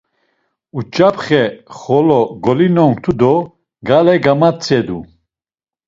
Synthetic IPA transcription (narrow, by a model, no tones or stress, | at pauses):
ut͡ʃʼapʰχɛχɔlɔɡɔlinɔŋkt̪ʰud̪ɔ | ɡalɛɡamat͡sʰʼɛd̪u